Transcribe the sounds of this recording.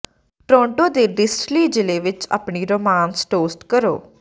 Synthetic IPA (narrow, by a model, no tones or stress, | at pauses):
ʈɾɔ̃ːɳʈõːd̪eːɖɪsʈliːd͡ʒɪleːʋɪt͡ʃa̰ːpɳiːɾoːmãːnsʈoːsʈkəɾo̰ː